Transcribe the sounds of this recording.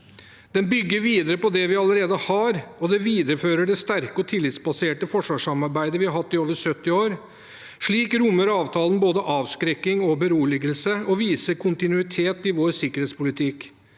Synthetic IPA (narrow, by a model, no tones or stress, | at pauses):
d̪̥ɛnbʏɡːəɾʋiːd̪əɾəpɔd̪ɛʋɪɑləɾeːd̪əhɑɾɔd̪ɛʋiːd̪əɾəføːɾəɖɛst̪æɾkəɔt̪ʰɪlːɪt̪sbɑseːʈəfɔʂʋɑːʂɑmɑɾbæɪd̪əʋɪhɑɾɦɑt̪ːɪoːʋəɾʂœt̪ːɪoːɾ | ʂɭiːkɾʊmːəɾɑːʋt̪ʰɑːlən̩boːd̪əʔɑːʋskɾɛkːɪŋɔbəɾuːlɪɡəlsəɔʋiːsəɾkʰʊnt̪ɪnʉɪt̪ʰeːt̪ɪʋoːɾsɪkːəɾheːt̪spʊlɪt̪ʰɪk